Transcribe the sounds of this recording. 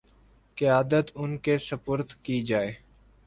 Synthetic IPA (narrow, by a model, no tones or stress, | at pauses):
kɪjaːd̪ət̪ʊnkesɐpʊɾt̪kid͡ʒaːeː